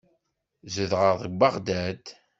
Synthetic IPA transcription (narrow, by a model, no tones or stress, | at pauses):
zəðʁəðˤəɡbəʁd̪æd̪